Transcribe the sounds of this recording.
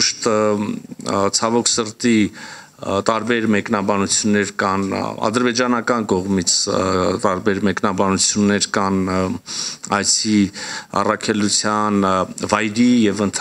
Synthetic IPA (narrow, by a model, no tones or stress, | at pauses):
uʃt̪ | t͡sʰɑvɔkʰsəɾt̪i | t̪ɑɾbɛɾmɛknɑbɑnut͡sʰjunːɛɾkɑnɑ̰d̪əɾbɛd͡ʒɑnɑkɑnkɔʁmit͡sʰt̪ɑɾbɛɾmɛknɑbɑnut͡sʰjunːɛɾkɑn | ɑjt͡sʰiɑ̰rɑkʰɛlut͡sʰjɑnvɑjɾijɛvənt̪ʰ